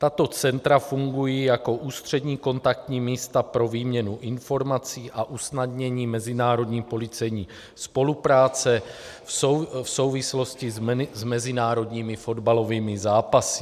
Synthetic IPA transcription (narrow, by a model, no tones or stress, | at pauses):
t̪at̪o̞t͡sɛnt̪ɾafuŋɡujijako̞ʔuːst̪r̥ɛdɲiːko̞nt̪ak̚t̪ɲiːmiːst̪apɾo̞viːmɲɛnuʔɪnfo̞ɾmat͡siːʔaʔusnadɲɛɲiːmɛzɪnaːɾo̞dɲiːpo̞lɪt͡sɛjɲiː | spo̞lupɾaːt͡sɛ | fso̞wvɪslo̞scɪzmɛzɪnaːɾo̞dɲiːmɪfo̞dbalo̞viːmɪzaːpasɪ̥